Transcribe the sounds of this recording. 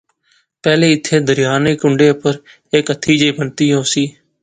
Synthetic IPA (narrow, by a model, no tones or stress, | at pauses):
pɛːleːɪt̪ʰːeːd̪əɾɪjaːnekʊɳɖeːʊpəɾ | ekət̪ʰːiːd͡ʒeiːbənt̪iːɦoːsiː